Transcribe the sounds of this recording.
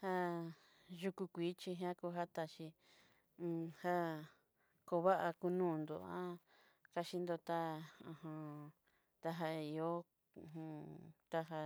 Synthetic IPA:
ha˦ | ʒu˧ku˧kʷiː˨˦t͡ʃi˧ɦã˦ku˧˦ɦa˦t̪a˧ʃĩ˧ | ha˦ | ko˧βa˦ʔa˧ku˧nũː˦˨˧nd̪o̰˨ã̰˦ | ka˧ʃi˧nd̪o˧t̪a˦ũ˧hã˧ | t̪a˦ɦa˧i˧o˦˧˨ | ũ˧t̪a˦ɦa˧

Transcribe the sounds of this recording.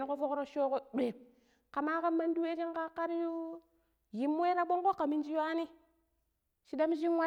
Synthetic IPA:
ni˦ko˦fo˦kɾo˦ʃo˦ko˦ɗe˨ | ka˨ma˦ka˦mːa˦ndu˦we˦t͡ʃi˦ŋka˦kːa˦ɾju˦ | ji˨mː˦e˦ɾa˦ɓo˦ŋko˦kːa˨mi˦nd͡ʒi˦wa˦ni˦ | ʃi˦da˦m˦ʃi˦n˦wa˦

